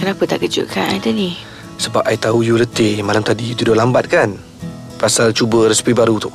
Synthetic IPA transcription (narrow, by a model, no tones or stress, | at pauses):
kənapət̪a̰ʔkəd͡ʒʊ̰ʔka̰na̰jt̪adi | səbap̚ajt̪aujulət̪ɪmalamt̪adit̪udʊhlambat̪̚kan | pasalt͡ʃubəɾəsi̥pibaɾut̪ʊʔ